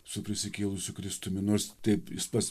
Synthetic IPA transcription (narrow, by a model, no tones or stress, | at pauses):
sʊpʲɾʲɪsʲɪkʲeːlˠʊsʲʊkɾʲɪst̪ʊmʲɪnoːɾst̪ɐɪpɪspɐs